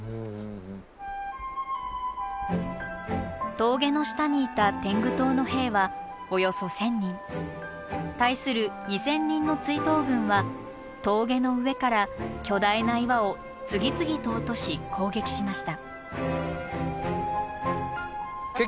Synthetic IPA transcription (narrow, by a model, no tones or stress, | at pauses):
t̪o̞ːɡe̞no̞ɕi̥t̪aɲ̟iːt̪at̪ẽ̞ŋɡɯ̟t̪o̞ːno̞he̞ːβa | ojo̞so̞sẽ̞ɲ̟ːĩn | t̪aisɨɾɯ̟ɲ̟isẽ̞ɲ̟ːĩnːo̞t͡sɨit̪o̞ːɡɯ̟̃ɰ̃βa | t̪o̞ːɡe̞no̞ɯ̟βe̞kaɾakʲo̞d̪ainaiβao̞ | t͡sɨɡʲit͡sɨɡʲit̪o̞ːt̪o̞ɕikʰo̞ːɡe̞kʲi̥ɕimaɕi̥t̪a